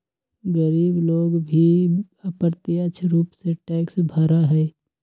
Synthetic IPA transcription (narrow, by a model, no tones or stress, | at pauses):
ɡəɾiːbloːɡbʱi | apəɾt̪iət͡ʃʰɾuːpseʈɛːksbʱəɾaɦɛː